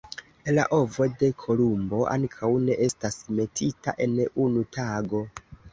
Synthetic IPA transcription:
ela̰ʔo̞vo̞de̞kʰo̞lumbo̞ʔa̰ŋkʰawne̞ʔe̞stasme̞tʰitaʔe̞nunutʰaɡo̞

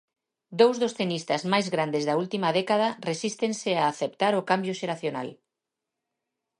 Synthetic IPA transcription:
d̪owzðosθenist̪azmajzɣɾand̪ezðault̪imaðɛkað̞aresist̪enseaːθept̪aɾokambjʊʃeɾaθjona̰l

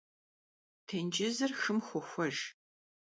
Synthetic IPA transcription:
tʰend͡ʒɪzɨrxɨmxʷʊxʷɔʒ

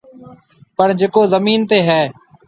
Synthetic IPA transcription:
pəɳd͡ʒeːkoːzəmiːnt̪eːɦɛː

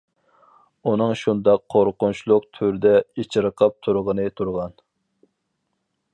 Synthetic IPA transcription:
unɨŋʃund̪ɑqʰːoɾqʊnt͡ʃʰlˠʊq̚t̪ʰyɾd̪ɛet͡ʃʰiɾəqʰɑp̚t̪ʰuɾʁənɨt̪ʰuɾʁɑn

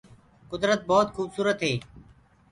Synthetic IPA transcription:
kʊd̪ɾət̪̚bɔːt̪xuːbsuːɾət̪ɦeː

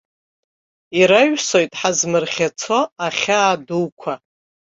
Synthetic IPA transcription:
iɾaɥʷᶣso̞jtʼħazmɨrχʲat͡sʰo̞aχʲaːduwkʷʰa

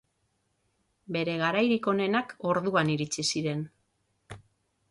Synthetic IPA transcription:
be̞ɾe̞ɣ̞aɾajɾiko̞ne̞nako̞ɾðuaniɾit͡sisiɾe̞n

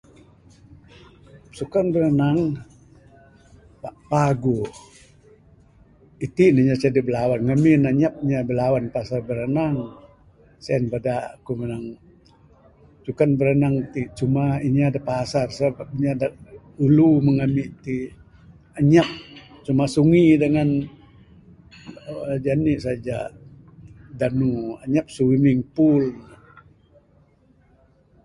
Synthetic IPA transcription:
sukanbəɾənaŋ | paʔpaɡu | it̪iniɲat͡ʃadibəlawanŋəminaɲap̚ɲabəlawanpasarbəɾənaŋ | sɛɛnbadakumənaŋ | t͡ʃukanbəɾənaŋt̪it͡ʃumaiɲaadapasarsəbap̚ɲada | uluməŋamiʔt̪i | aɲap̚ | t͡ʃumasuŋidəŋan | d͡ʒaniʔsad͡ʒa | danua̰ɲap̚sumɪŋpul

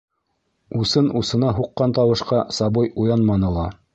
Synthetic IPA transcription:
usɤnʔusɤ̆nɑɦuqːɑnt̪ɑwɤ̆ʃqɑsɑβɤjujɑnmɑnɤ̆lˠɑ

